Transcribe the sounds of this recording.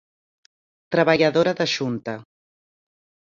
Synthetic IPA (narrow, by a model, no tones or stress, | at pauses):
t̪ɾəβəʎəðoɾəðəʒunt̪ə